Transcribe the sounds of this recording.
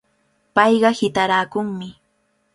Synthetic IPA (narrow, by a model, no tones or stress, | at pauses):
pɑjɢɑhɪt̪aɾaːkʊŋmɪ